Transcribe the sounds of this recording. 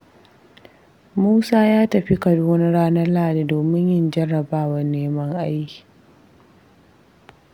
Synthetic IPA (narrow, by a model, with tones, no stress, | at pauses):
muː˦saː˦jaː˦tɐ˨ɸi˦kɐ˨duː˦nɐ˦ɽaː˦nɐ˦laː˦˨da˨doː˨mɪ˦ɲjɪ˦nd͡ʒɐ˦rːɐ˨baː˦wɐ˨rneː˦mɐ˦ŋʔa˦ji̥˨